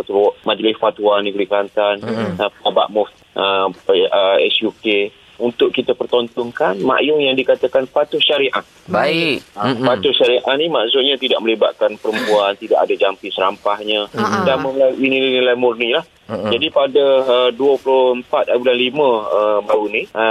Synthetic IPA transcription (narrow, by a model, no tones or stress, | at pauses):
at̪ulʔmad͡ʒlɪsfat̪uanĩɡɾikɾant̪anəpaba̰ʔmʊf | əəɛ̰sjuke | unt̪ʊʔkit̪apərt̪ɔnt̪ɔŋkanma̰ʔjʊŋjaŋdikat̪akanpat̪ʊʃaɾiʔa | baipat̪ʊʃaɾiʔahnimaʔsʊt̪̚ɲãt̪idaʔ̚mə̃liba̰t̪ʔ̪̚kanpəɾəmpuant̪ida̰ʔadad͡ʒampisəɾa̰mpahɲədanməlaʔinilanilajmurnilah | d͡ʒadipadaəduəpulʊhəmpat̪̚abilanlimə̃əbaɾuniə